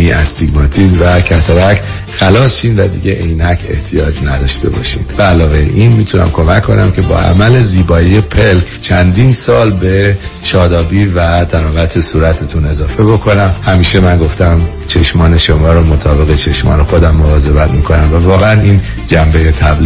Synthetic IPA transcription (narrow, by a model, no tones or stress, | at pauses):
iʔæst̪iɡmɒːt̪ʰiːzvækʰæt̪ʰoɾæcʰ | xælɒːsʃiːnvæd̪ḭːɟeʔejnæcʰe̞̰ht̪ʰijɒːd͡ʒnæd̪ɒ̰ːʃt̪e̞̰bɒ̰ːʃḭːnd̪̥væːlɒːvejḛʔinmiːt̪ʰunæ̰mkʰo̞mækʰːo̞næmcʰe̞bɒ̰ːʔæ̰mæle̞ziːbɒːije̞pʰelkʰt͡ʃʰænd̪iːnsɒːlbe̞ʃɒːd̪ɒːbiːvæt̪ʰænɒːɣæt̪ʰe̞suːɾæt̪ʰet̪ʰune̞zɒːfe̞bo̞kʰo̞næmhæmiːʃe̞mænɡo̞ft̪æm | t͡ʃʰe̞ʃmɒːne̞ʃomɒːɾomo̞t̪ʰɒːbe̞ɣe̞t͡ʃʰe̞ʃmɒ̰ːne̞xo̞d̪æmːovɒːze̞bæt̪ʰmiːkʰo̞næmvævɒːɣeæniːn | d͡ʒæmbejet̪ʰæbl